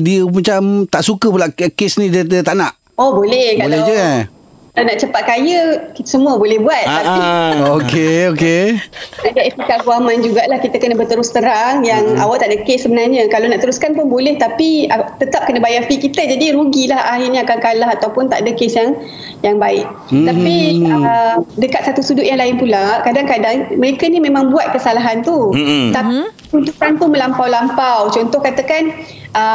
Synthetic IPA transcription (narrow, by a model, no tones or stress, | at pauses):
diəmat͡ʃamt̪aʔsukəpulaʔkesnĩdədət̪aʔnaʔ | obolɛhkaolɛd͡ʒua | kalanaʔt͡ʃəpat̪̚kajəkit̪ə̥səmũəbolɛhbuat̪̚ːapiokeokenaʔdaʔeit̪ikaɡuamand͡ʒuɡaʔlahkit̪əkənəbərt̪əɾʊst̪əɾaŋjaŋa̰waʔt̪aʔdəkessəbənarɲəkalonaʔt̪əɾuskanpʊnbolɛht̪apiat̪ət̪ap̚kənəbajafikit̪əd͡ʒadiɾuɡilahaɦirɲaakaŋkalaɦat̪awpʊnt̪a̰ʔdəkesjaŋ | jaŋbaɪʔ̚ | t̪apiədəkat̪̚sat̪usudʊʔjaŋlaɪnpulakadaŋkadaŋməɾekanimẽmãŋbuat̪̚kəsalaɦant̪ut̪api | t͡ʃunt̪ukant̪umə̃lampawlampawt͡ʃɔnt̪ɔhkat̪əkan | ʔə